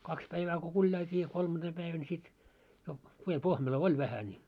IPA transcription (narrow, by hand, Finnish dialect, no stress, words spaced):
kɑks pæiʋæː ku kulʲjɑiltʲiː jɑ kolmɑnd̥eːm pæiʋæn sit jo piem pohmelo oi ʋæhæ nʲi